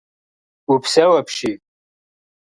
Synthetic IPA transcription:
upʰsɐwɐpʰʃi

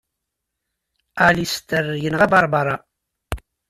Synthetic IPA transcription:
alist̪əɾjənʁæbɑɾˤbɑɾˤɑ

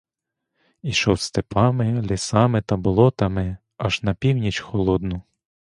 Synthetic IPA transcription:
iʃɔwst̪epɑmɪlʲisɑmɪt̪ɐbʊlˠɔt̪ɐmɪ | ɐʒnɐpʲiwnʲit͡ʃxɔlˠɔd̪nʊ

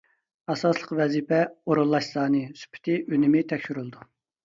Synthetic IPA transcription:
ɛsɑslˠəqvɛzipʰɛoɾulˠːɑʃsˠɑːnɨsy̥pʰɪ̥t̪ʰɪʔønɪmɪt̪ʰɛkʲʃyɾylˠd̪u

